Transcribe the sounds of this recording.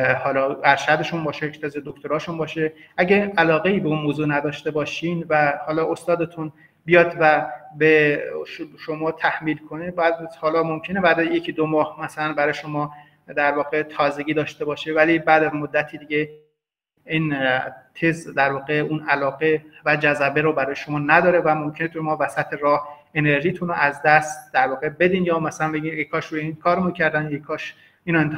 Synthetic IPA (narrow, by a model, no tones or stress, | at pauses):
hɒːlɒːæɾʃæd̪e̞ʃunbɒːʃejecʰt̪ʰezed̪okt̪ʰoɾɒːʃunbɒːʃeʔæɟeælɒːɣe̞iːbeunmoːzuːnæd̪ɒːʃt̪e̞bɒːʃiːnvæhɒːlɒːʔost̪ɒːd̪et̪ʰun | bijɒːd̪væbeʃʃo̞mɒːt̪ʰæhmiːlkʰo̞nebjæd̪hɒːlɒːmomcʰe̞nebæd̪ejecʰid̪omɒːhmæsælænbæɾɒːjeʃo̞mɒː | d̪æɾvɒːɣet̪ʰɒːze̞ɡʲiːd̪ɒːʃt̪e̞bɒːʃevælibæːd̪æzmod̪ːæt̪ʰiːd̪iɟe | iːnt̪ʰezd̪æɾvɒːɣeuːnælɒːɣevæd͡ʒæzæbeɾobæɾɒːjeʃomɒːnæd̪ɒːɾevæmo̞mcʰenet̪umɒːvæsæt̪ʰeɾɒːh | e̞ne̞ɾʒiːt̪ʰunoʔæzd̪æst̪d̪̥æɾvɒːɣebe̞d̪iːnjɒːmæsælænbeɟinjekʰɒːʃɾujeinkʰɒːɾemuncʰæɾd̪ænekʰɒːʃ | iːnoent̪ʰ